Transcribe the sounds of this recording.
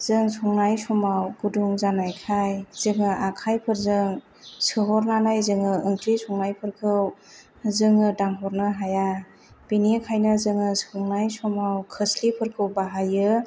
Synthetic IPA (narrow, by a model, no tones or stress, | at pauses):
z̥ɯŋsɔŋnajsɔmawɡuduŋzanajkʰajz̥ɯŋɯʔakʰajpʰɯɾzɯŋ | sɯɦɔɾnanajzɯŋɯɯŋkʰɾisɔŋnajpʰɯɾkʰɯw | zɯŋɯdaŋɦɔɾnɯɦaja | b̥inikʰajnɯzɯŋɯsɔŋnajsɔmawkʰɯslipʰɯɾkʰɯwbaɦajɯ